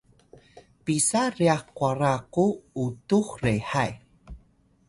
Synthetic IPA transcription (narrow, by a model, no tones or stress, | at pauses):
pisariaχkwaɾakuutuxreħaj